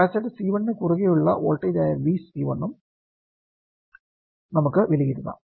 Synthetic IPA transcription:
asɐɽesiːʋɐɳnekuruɣejuɭːɐ̰ʔoːlʈːɐjdajɐrʋiːsiːʋɐnːum | nɐmukːɨʋiliɣiɾunːɐ̰

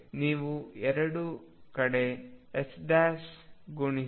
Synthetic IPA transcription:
niːʋuɛɾɐɽukɐɽe̞esɖaːsɡuɳi

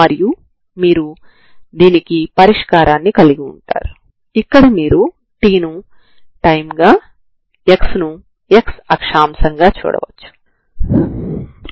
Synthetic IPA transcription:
mɐɾiju | miːɾu | d̪iːnikipɐɾiʂkaːɾaːnːikɐliɡiṵɳʈa̰ːɾu | ikːɐɽimiːɾu | ʈiːnu | ʈɐjmɡaː | eksnu | eksɐkʂaːmsɐŋɡaːt͡ʃṵːɽɐ̰ʋɐ̰t͡ʃːu̥

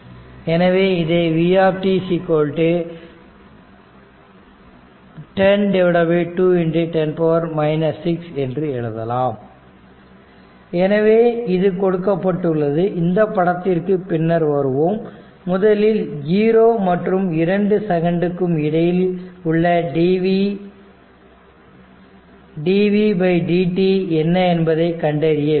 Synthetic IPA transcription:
ɛnɐʋeːɪðeːʋiːaːpʈisikoːɻʈɯ | ʈɛnɖɛʋɪɽɐbiʈuːɪnɖɪʈɛnpɐʋɐɾmɐɪnɐsːɪksɛndrɯɛɻɯðɐ̰laːm | ɛnɐʋeːɪðɯkɔɽɯkːɐpːɐʈːɯɭːɐðɯʔɪnd̪ɐpːɐɽɐt̪ːɪrkɯpɪnːɐɾʋɐɾɯʋoːmː | ʊðɐlɪljiːɾoːmɐʈrɯmɪɾɐɳɖɯsɛɣɐɳɖɯkːɯmɪɽɐjɪlʊɭːɐɖiʋ | ɖiːʋibɐɪɖiːʈiɛnːɐɛnbɐðɐɪkɐɳɖɐɾɪjɐ

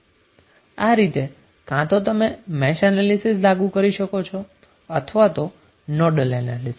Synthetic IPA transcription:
aɾit̪e | kãt̪ot̪əmemɛʃanalisislaɡũkəɾiʃəkot͡ʃʰɔ | ət̪ʰəʋat̪o | nɔɾɖəlɛna̰lis

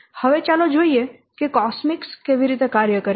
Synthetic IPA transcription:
həʋet͡ʃalod͡ʒoːie | kekɔsmɪkskeʋiɾit̪ekaɾjəkəɾ

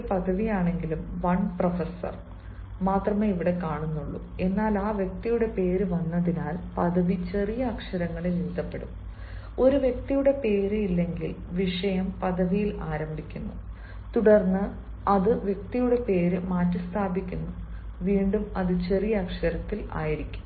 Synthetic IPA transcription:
pɐðɐʋijaːɳe̞ŋɡilumʋɐɳprɐfesːɐ̰r | maːt̪rɐmeːiʋiɽe̞kaːɳunːuɭːṵ | e̞nːaːlaːʋjek̚t̪ijuɽe̞pe̞ːɾɨʋɐnːɐðinaːlpɐðɐʋit͡ɕe̞rijɐːkʂɐɾɐŋːɐɭeniːd̪ɐpːe̞ɽṵm | o̞ɾuʋje̞k̚t̪ijuɽe̞pe̞ːɾɨilːe̞ŋɡil | ʋiʂɐjɐmpɐðɐʋijilaːɾɐmbʱikʲːunːu | t̪uɽɐrnːɨ | ɐðɨʋjek̚t̪ijuɽe̞pe̞ːɾɨmaːtːɨst̪ʰaːbʱikʲːunːu | ʋiːɳɖumɐðɨt͡ɕe̞rijɐːkʂɐɾɐt̪ːila̰ːjiɾikʲːu̥m

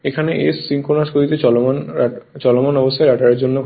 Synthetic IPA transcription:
ekʰaneʔesːiŋkonaʃkoɾit̪et͡ɕɔlomant͡ɕɔlomanɔbost̪ʰaeɾaʈaɾeɾd͡ʑonːo

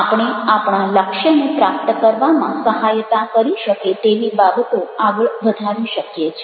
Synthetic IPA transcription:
apɳ̃eapɳaləkʃənipɾap̚t̪əkəɾʋamãsəɦajt̪akəɾiʃəket̪eʋibabət̪oaɡəɭʋəd̪ʱaʋiʃəkjet͡ʃʰ

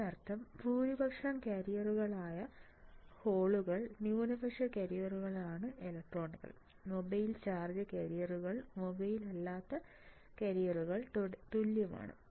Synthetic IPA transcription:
ɐrt̪ʰːɐmpuːɾibʱɐkʂɐnkɐɾijɐruɣɐɭaːjɐ | ho̞ːɭuɣɐɭnjuːnɐbʱɐkʂɐkɐɾijɐruɣɐɭaːɳɨʔelɐk̚ʈro̞ːɳɣɐ̰ɭ | mo̞bɐjilt͡ɕaːrd͡ʑɐkʲɐɾijɐruɣɐɭmo̞bɐjilɐlːaːt̪ːɐ | kɐɾijɐruɣɐɭt̪uljɐma̰ːɳɨ̰

